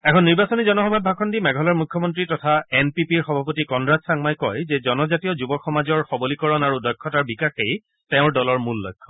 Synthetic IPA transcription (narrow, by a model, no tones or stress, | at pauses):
ɛkʰɔnːiɹbasɔnizɔnɔxɔbʱabʱakʰɔndimɛɡʱɔlaɹmukʰːɔmɔntɹitɔtʰaenpipiɹxɔbʱapotikɔnɹazsaŋmajkɔjzɛzɔnɔzatijɔzubɔkxɔmazɔɹxɔbolikɔɹɔnaɹudɔjkʰːɔtaɹbikaxej | tɛʊ̃ɹdɔlɔɹmulːɔ̰jkʰːɔ